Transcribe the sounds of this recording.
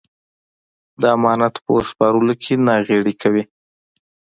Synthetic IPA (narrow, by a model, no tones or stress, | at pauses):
d̪əamɑnat̪pə̰spɑɾəlokʰenɑɣeɽikʰawi